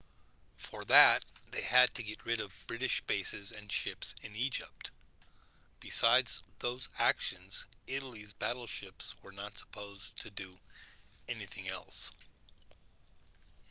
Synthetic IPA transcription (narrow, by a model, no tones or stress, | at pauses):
fə˞ðɨt̪̚ðeɪɨd̚tʰɨɡɛt̚ɹɪɾʌvbɹɪɾɨʃb̥eɪsɨzɨ̃nʃɪpsɨ̃nid͡ʒɪ̰p̚t | b̥ɨsaɪdz̥ðoʊzækʃɨ̃nz̥ɪɾl̩ˠizbæɾl̩ˠʃɪpswə˞nətsə̥pʰoʊztʰɨdɨ | ɛniθɪ̃ŋɛ̰lˠs